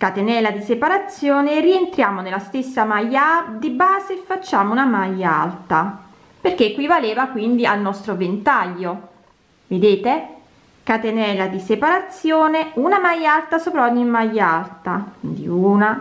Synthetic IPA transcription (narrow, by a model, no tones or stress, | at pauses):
kat̪enɛːlad̪isepaɾat̪sːjoːnerient̪ɾjaːmonelːast̪esːamajːad̪ibaːzefːat͡ʃːaːmounamajːa̰lt̪a | perk̟ekːwivaleːvakwind̪ialnɔst̪ɾovent̪aʎːo | ved̪eːt̪e | kat̪enɛːlad̪isepaɾat̪sːjoːneunamajalt̪asoːpɾaɔɲːimajːalt̪aind̪ḭuːna